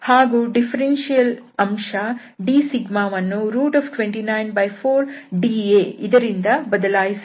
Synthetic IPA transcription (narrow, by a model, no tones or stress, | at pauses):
haːɡuːɖipʰɐɾenʃijɐlɐmʂɐ | ɖiːsiɡmaːʋɐnːuɾuːʈɐːpʈʋeɳʈinɐjnbɐjpʰoːɾɖiːeːid̪ɐɾind̪ɐbɐd̪ɐlaːjis